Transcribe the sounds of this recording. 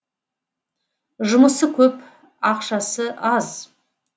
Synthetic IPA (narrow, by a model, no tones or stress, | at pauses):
ʒʊməsəkʲʰɵp | ɑqʃɑsəɑz